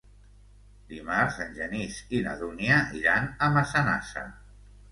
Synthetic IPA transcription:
d̪imaɾzənʲʒənisina̰ðuniaʔiɾanəmasana̰sa̰

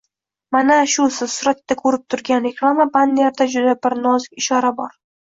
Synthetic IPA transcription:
manaʃʊsɪz̥sʊɾat̪ːakʰɵɾɪp̚t̪ʰʊɾɡʲanɾeklˠamaband̪aɾd̪ad͡ʒʊd̪abɪɾnɒzɪkʲɪʃɒɾabɒɾ

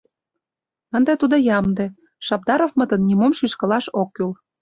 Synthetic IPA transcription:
ənd̪et̪ud̪ɤ̆jɑmd̪ĕ | ʃɑb̚d̪ɑɾofmə̆t̪ə̆nːʲimomʃyʃkɤ̆lɑʃokːyl

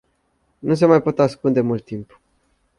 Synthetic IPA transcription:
nus̬e̞majpo̞t̪askund̪e̞mult̪ːimp

